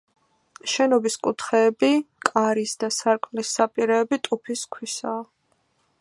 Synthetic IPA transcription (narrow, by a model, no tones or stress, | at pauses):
ʃɛnɔbiskʼut̪ʰχɛːbikʼaɾisd̪asaɾkʼmlisːapʼiɾɛːbit̪ʼupʰiskʰwisaː